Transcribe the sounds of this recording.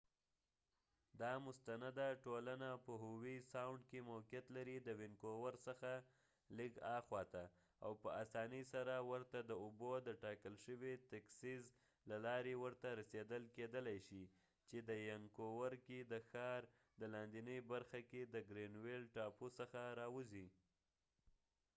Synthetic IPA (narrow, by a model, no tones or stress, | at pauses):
d̪ɑmʊst̪anad̪aʈolanapəɦʊwisawɳɖkemokijat̪laɾid̪əwɪnkowaɾsəxa | liɡɑxwɑt̪a | a̰wpəasɑnəjsaɾawəɾt̪ad̪əʊbod̪əʈɑkəlʃəwet̪aksiz | lalɑɾewəɾt̪aɾased̪əlked̪əlajʃi | t͡ʃed̪əjaŋkowaɾkid̪əxɑɾ | d̪əlɑnd̪inəjbaɾxaked̪əɡɾenwelʈɑposəxaɾɑwuzi